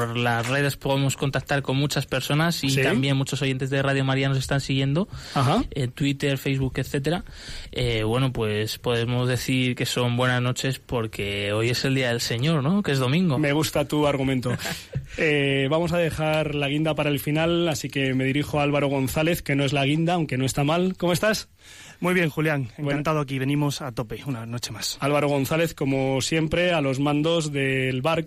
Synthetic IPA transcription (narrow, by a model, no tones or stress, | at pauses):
ɾlasre̞ðespo̞ðemo̞sko̞nt̪ak̚t̪aɾko̞nmut͡ʃaspe̞ɾso̞nasit̪ambje̞nmut͡ʃo̞s̬o̞ʝe̞nt̪̬e̞zðeraðjo̞maɾiano̞s̬e̞st̪ansiɣje̞nd̪o̞ahaet̪wit̪e̞ɾfe̞jzβukeθe̞t̪̬eɾa | eβwe̞nopwe̞spo̞ðe̞mo̞zðe̞θiɾke̞so̞mbwe̞nazno̞t͡ʃe̞spo̞ɾke̞o̞je̞se̞ld̪iaðe̞lse̞ɲo̞ɾno̞kezð̞o̞mĩŋɡomeɣ̞ust̪at̪uaɾɣ̞umẽnt̪o | eβamo̞saðe̞xaɾlaɣ̞ind̪apaɾae̞lfinalasike̞me̞ðiɾixoaalβaɾo̞ɣ̞o̞n̟θale̞θke̞no̞e̞zlaɣ̞ind̪aːwŋke̞no̞e̞st̪amalko̞moest̪as | mujβje̞ŋxuljaŋeŋkant̪aðoakiβe̞nĩmo̞sat̪o̞pe̞unanot͡ʃe̞masalβaɾo̞ɣ̞o̞nθale̞θko̞mo̞sje̞mpɾe̞alo̞zmãnd̪o̞zðe̞lβaɾ